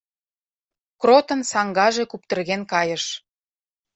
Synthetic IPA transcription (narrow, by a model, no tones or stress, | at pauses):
krot̪ɤ̆nsɑŋɡɑʒekup̚t̪ə̆rɣenkɑjə̆ʃ